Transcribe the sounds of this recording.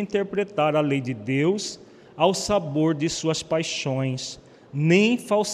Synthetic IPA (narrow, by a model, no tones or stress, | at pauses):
ĩnt̪eɾpɾet̪aɾɐlejd͡ʒɪd̪ews | awsaboɾd͡ʒɪsuɐspajʃõj̃s | nẽj̃faws